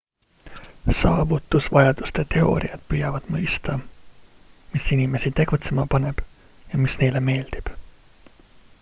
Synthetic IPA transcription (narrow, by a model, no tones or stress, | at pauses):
sɑːvut̪ːˑusvɑjɑd̪̥ust̪e̞t̪e̞o̞̰ːɾḭɑd̪̥̚pyjɑvɑd̪̥mɤjst̪ɑ | misinʲime̞sit̪e̞ɡ̥ut̪se̞mɑpɑne̞b̥ | jɑmisne̞jle̞me̞ːld̪̥ib̥